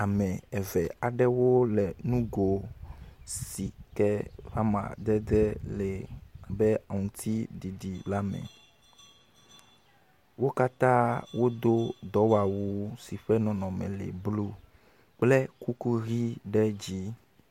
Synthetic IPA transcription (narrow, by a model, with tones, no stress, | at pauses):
a˨mɛ̃˨ɛ˨vɛ˨a˨ɖɛ˦wo˦lɛ˨nũ˦ɡo˨ | si˨kɛ˦va˦mã̰˨d̪ɛ˦d̪ɛ˦lɛ˨a˨bɛ˦a˨ŋũ˨t̪ʰi˦di˨ɖi˨la˦mɛ̰̃˨ | wo˦ka˦t̪ã˦wo˦d̪o˦d̪ɔ˨˦wa˨wu˦si˨ɸɛ˦nɔ̃˨nɔ̃˨mɛ̰̃˨lḛ˨blu˦ | k͡ple˦ku˦ku˦ɣi˦ɖɛ˦d͡ʑi˦